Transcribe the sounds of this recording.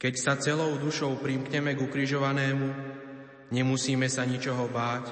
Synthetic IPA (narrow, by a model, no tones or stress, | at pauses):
kɛcsat͡sɛlɔʊd̪uʃɔʊpɾimkɲɛmɛɡukɾiʒɔʋanɛːmu | ɲɛmusiːmɛsaɲit͡ʃɔɦɔbaːc